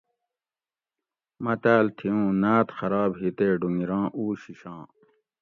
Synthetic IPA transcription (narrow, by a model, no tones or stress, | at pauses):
mɐt̪aːlt̪ʰiũːnaːt̪xɐɾɑːbɦit̪eːɖuŋiɾɑ̃ːʔuːɕiɕɑ̃ː